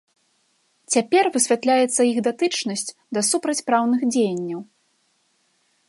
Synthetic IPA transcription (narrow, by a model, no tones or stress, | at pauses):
t͡sʲapʲɛrvɨsʲvʲat̪lʲajɛt̪sːɐiɣd̪at̪ɨt͡ʂnɐsʲt͡sʲ | d̪ɐsupɾɐt͡sʲpɾawnɨxd͡zʲejɐnʲːɐw